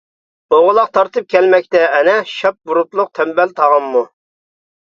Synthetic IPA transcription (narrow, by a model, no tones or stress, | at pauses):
oʁʊlˠɑqt̪ʰɑɾt̪ʰɨp̚kʲʰɛlmɛk̚ʲt̪ɛːnɛʃɑp̚buɾut̪lˠʊq̚t̪ʰɛmbɛlt̪ʰɑʁɑmːu